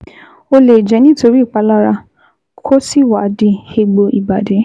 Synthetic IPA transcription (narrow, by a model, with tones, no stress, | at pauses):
o˧le˨d͡ʒɛ˨˦nĩ˦to˧ɾi˦˨k͡pa˧˦la˦ɾa˧ | kʰo˦si˦˨wa˨˦di˧he˧ɡ͡bo˧ʔi˨ba˨de˨˦